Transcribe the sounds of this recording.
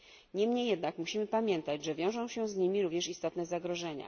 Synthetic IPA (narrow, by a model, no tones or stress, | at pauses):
ɲɛmɲejːɛd̪nakmuɕimɘpamʲjɛnt̪at͡ɕʐɛvʲjɔ̃w̃ʐɔ̃w̃ɕɛzɲimʲiɾuvɲɛʂist̪ɔt̪nɛzaɡɾɔʐɛɲa̰